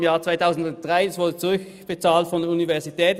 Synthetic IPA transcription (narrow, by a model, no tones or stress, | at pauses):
mjaːɐt͡sv̥aɪtʰaʊsn̩dʊnt̚d̥ʁaɪasv̥ʊɐdət͡suʁʏk | b̥ət͡saːltfɔndəɐunivɛɐzitʰɛːt